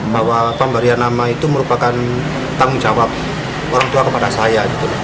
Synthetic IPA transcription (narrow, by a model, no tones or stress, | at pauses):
bawapambaɾianamait̪uməɾupakan | t̪aŋʊŋd͡ʒawap̚ | oɾaŋt̪uakəpadasajabit̪ulɔ